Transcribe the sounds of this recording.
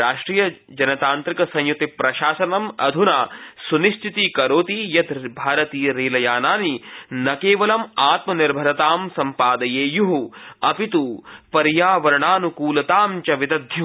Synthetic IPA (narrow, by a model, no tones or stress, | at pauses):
ɾaːʂʈɾiːjɐd͡ʒɐnɐt̪aːnt̪ɾikɐsɐ̃ɲjut̪ipɾɐʃaːsɐnɐmɐ̰d̪ʱunaːsuniʃt̪ʰit̪ikɐɾoːt̪iːjɐt̪bʱaːɾɐt̪iːɾiːlɐjaːnaːninɐkeːʋɐlɐmaːt̪mɐniɾbʱɐɾɐt̪aːmsɐmpaːd̪ɐjeːjuɦuɐpit̪upɐɾjaːʋɐɾɐɳaːnukuːlɐt̪aːmt͡ʃɐʋid̪ɐd̪ʱju